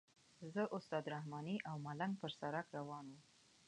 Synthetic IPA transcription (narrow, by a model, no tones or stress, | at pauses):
zəʔʊst̪ɑd̪ɾahmɑniʔawmalaŋɡpəɾsaɾakɾawɑnum